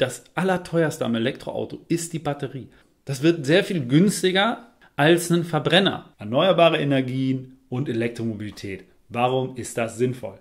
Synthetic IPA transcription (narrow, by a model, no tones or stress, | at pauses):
d̥asʔalɐtʰɔʏɐstəamelɛktʁ̥o̰ʔa̰ʊtoɪst̚d̥iːbatəʁiː | d̥asv̥ɪɐtz̥eːɐfiːlɡʏnstɪɡɐ | ʔalsnənfɛɐbʁɛnɐ̰ʔɛɐnɔʏɐbaːʁəʔenɛɐɡiːən | ʊntelɛk̚tʁ̥omobilitʰɛːt | vaʁʊmɪstd̥asz̥ɪnfɔ̰l